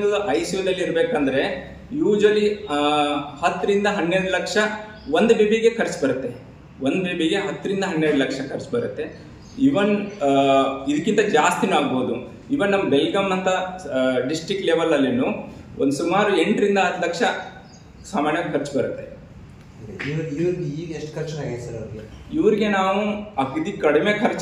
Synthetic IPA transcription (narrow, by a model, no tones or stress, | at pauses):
ɐd̪uʔɐjsuʋɐd̪ɐlːiɾbeːkɐnd̪ɐɾe̞ | juːd͡ʒʋɐli | hɐt̪ːɾind̪ɐɦɐnːeɾɽulɐkʂɐ | ʋond̪ubibʱiɡe̞kʰɐɾt͡ʃbɐɾɐt̪ːe̞ | ond̪bibʱiɡe̞ɦɐt̪ːɾind̪ɐɦɐnːeːɽulɐkʂɐkʰɐɾt͡ʃbɐɾut̪ːe̞ | iʋɐn | id̪ɐkːint̪ɐd͡ʒaːst̪inuaːɡboːd̪u | iʋɐnɐmːɐbelɡɐmːɐnt̪ɐɖisʈɾikʈleːʋɐlːɐlːenuond̪sumaːɾue̞ɳʈɾind̪ɐɦɐd̪lɐkʂɐ | saːmaːɾnjʋaːɡkʰɐɾt͡ʃbɐɾut̪ːe̞ | iɾiʋɾiːɡɐeʂʈkʰɐɾt͡ʃaːɡid̪sɐɾɐd̪ɡeiʋɐɾiɡe̞naːʋuɐkid̪ikɐɽime̞ːkʰɐɾt͡ʃ